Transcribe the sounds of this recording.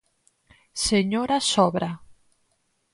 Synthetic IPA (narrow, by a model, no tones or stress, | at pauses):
seɲoɾasɔβɾa